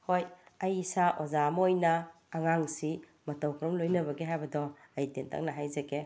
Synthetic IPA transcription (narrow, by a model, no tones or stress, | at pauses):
hojɐjsaʔozamojnɐː | ŋaŋsi | mɐtɔwkʰɾɔmlojnɐbɐɡeɦajbɐdɔ | ɐitentʰa̰ŋnɐɦajzeɡe